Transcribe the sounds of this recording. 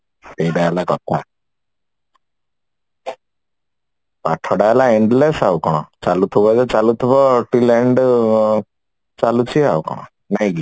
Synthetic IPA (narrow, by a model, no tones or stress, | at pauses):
t̪ebaalakɔt̪ːa̰ | paʈʰɔɽalaiɳɖlesawkɔɽ̃ɔ̰t͡salut̪ʰubɔd͡zet͡salut̪ʰubɔʈilɛɳɖ | t͡ʃalut͡ɕia̰wkɔ̰ɽ̃ɔ̰ | najɡi